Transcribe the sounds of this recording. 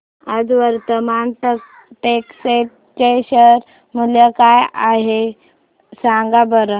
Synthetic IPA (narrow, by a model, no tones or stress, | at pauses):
ad͡zʋəɾt̪əmanʈə | ʈekseʈ̚ | ʈeɕəɾ | məljəkajaɦe | saŋɡabəɾə